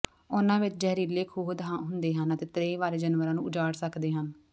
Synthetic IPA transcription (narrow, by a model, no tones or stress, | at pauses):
ʊnãːʋɪt͡ʃd͡ʒɛːɾiːleːkʰuːbd̪ʱãːɦʊnd̪eːɦənət̪eːt̪ɾeːʋaːɾeːd͡ʒənʋəɾãːnũːʊd͡ʒaːɽsəkd̪eːɦən